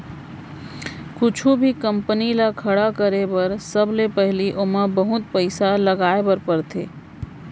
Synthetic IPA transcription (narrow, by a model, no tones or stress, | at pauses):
kʊt͡ʃʰubʱikə̃mpnilakʰɐɽakəɾebɐɾsɐblepɛɦliʔʊməbɐɦʊt̪̚pəɪsalɐɡaːebəɾpəɾt̪ʰḛː